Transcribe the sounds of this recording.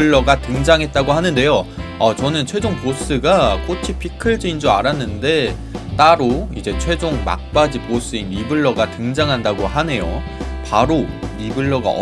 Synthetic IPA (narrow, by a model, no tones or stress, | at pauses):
ɯɭːʌɡatɯŋd͡ʑaŋɦe̞t̚t͈aɡohanɯnde̞joat͡ɕʌnɯnt͡ɕʰwe̞d͡ʑoŋpos͈ɯɡak͈ot͡ɕʰipʰikʰɯɭd͡ʑiind͡ʑoaɾanːɯnde̞ | t͈aɾoid͡ʑe̞t͡ɕʰwe̞d͡ʑoŋma̰k̚p͈ad͡ʑipos͈ɯinːibɯɭːʌɡatɯŋd͡ʑaŋɦandaɡoɦane̞jo̰ | paɾoɾibɯɭːʌɡa̰ʌ̰